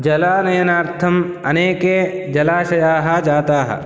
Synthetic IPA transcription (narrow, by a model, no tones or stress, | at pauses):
d͡ʒɐlaːnɐjɐnaːɾt̪ʰɐm | ɐneːke | d͡ʒɐlaːʃɐjaːɦɐd͡ʒaːt̪aːɦɐ̰